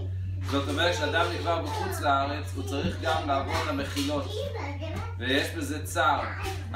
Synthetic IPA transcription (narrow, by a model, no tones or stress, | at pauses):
zotɔmɛʁʃɛad̪amnikvaʁbɪχut͡slaaʁɛt͡sut͡saʁiχɡamlaavolameχilot̪ | vɛjɛʃbɛzɛt͡saʁ